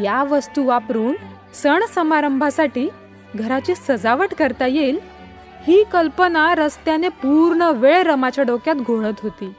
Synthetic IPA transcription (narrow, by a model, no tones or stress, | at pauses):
jaʋəst̪uʋapɾuːn | səɳsəmaɾəmbʱasaʈiː | ɡʱəɾat͡ɕiːsəd͡zaʋəʈkəɾt̪ajel | hiːkəlpənaɾəst̪janepuɾɳəʋeɭeɾəmat͡ɕjaɖokjat̪ɡʱoɭət̪ɦot̪iː